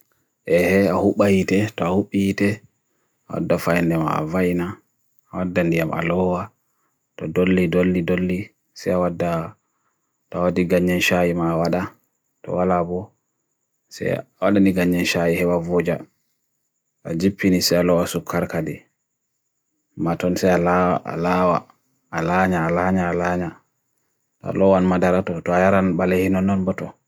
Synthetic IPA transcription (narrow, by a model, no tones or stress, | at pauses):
ʔɛhɛahuɓajitɛtɔahuɓːitɛ | ʔawa̰dːafajndɛma̰ːvajna | ʔːwadːandijamʔa̰lɔwa | tɔdolːidolːidolːi | sɛjawadːa | tɔawadiɡaɲːd͡ʒɛnʃajimaːwaɗa | tɔ̰walabɔ | sɛ̰awaɗaniɡaɲːɛnʃajihɛwavɔd͡ʒa | a̰d͡ʒipːinisɛalɔasukʰːaɾkadɛ | matɔnsɛjalaa̰lawa̰ | alaɲaːlaɲaːlaɲa | ta̰lɔwanmadaɾatɔtɔajaɾanbalɛhinɔnɔnbɔtɔ